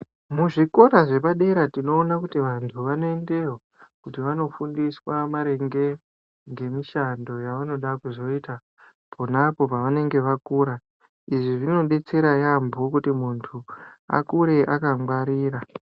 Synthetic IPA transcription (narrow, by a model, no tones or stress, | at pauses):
muʐiko̞raʐe̞paɗeɾatino̞ːnakutiʋantʰuʋano̞e̞nde̞rwa | kutiʋano̞fundiswamaɾe̞ŋɡe | ŋɡe̞miʃando̞jaʋano̞ɗakuzo̞ita | pʰonapo̞paʋane̞ŋɡe̞ʋakuːɾa | iʐiʐino̞ɗe̞t͡se̞ɾajambokutimuntʰua̰kuɾe̞ʔakaŋɡwaɾiːɾa